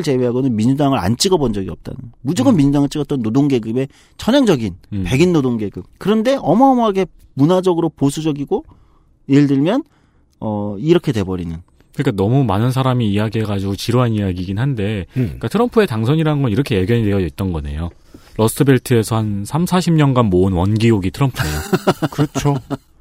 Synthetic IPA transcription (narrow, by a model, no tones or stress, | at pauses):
ɯɭt͡ɕe̞weɦaɡonɯnmiɲd͡ʑudaŋɯɾa̰nt͡ɕ͈iɡʌbond͡ʑʌɡiʌp̚t͈a̰nɯmud͡ʑʌɡɯnmiɲd͡ʑudaŋɯɭt͡ɕ͈iɡʌt͈ʌnːodoŋɡe̞ɡɯme̞ | t͡ɕʰʌɲʌŋd͡ʑʌɡinpe̞ɡinːodoŋɡe̞ɡɯmkɯɾʌnde̞ʔʌmʌʌmaɡe̞ | munad͡ʑʌɡɯɾoposʰud͡ʑʌɡiɡo | jeɭdɯɭmjʌn | ʌiɾʌkʰe̞te̞bʌɾinɯ̰n | kɯnɲik͈anʌmumanɯns̬ʰaɾamiːjaɡiɦe̞ɡad͡ʑiɡot͡ɕiɾoɦanijaɡiɡinɦande̞ik͈atʰɯɾʌmpʰɯe̞taŋsʰʌɲiɾaɯnɡʌniɾʌkʰe̞jeɡjʌɲidweʌʌit̚t͈ʌnɡʌne̞̰jo | ɾʌs͈ɯbe̞ɭtʰɯe̞sʰʌhansʰamsʰaɕʰimɲʌnɡanmoɯnwʌnɡioɡitʰɯɾʌmpʰuejokɯɾʌt͡ɕʰo